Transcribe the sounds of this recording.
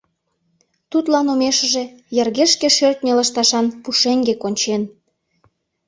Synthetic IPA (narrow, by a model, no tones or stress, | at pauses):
t̪ut̪lɑnomeʃəʒĕ | jerɣeʃkeʃørt̪nʲelɑʃt̪ɑʃɑnpuʃeŋɡekonʲt͡ɕen